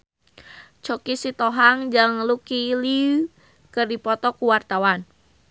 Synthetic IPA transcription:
t͡ʃɔkisit̪ɔɦaŋd͡ʒaŋlukili | kərdipɔt̪ɔkuwart̪awan

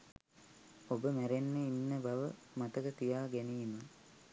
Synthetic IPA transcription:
obəmæɾenːəinːəbɐʋə | mɐt̪əkət̪ijaːɡæniːmə

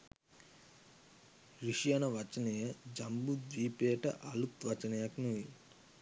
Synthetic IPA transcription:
ɾiʂijanɐʋɐt͡ʃɐnejɐd͡ʒɐmbud̪ʋiːpeːʈɐ̰ʔɐlut̪ʋɐt͡ʃɐnejɐknuʋi

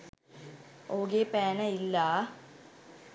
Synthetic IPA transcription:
oːɡepɛːnɐilːa

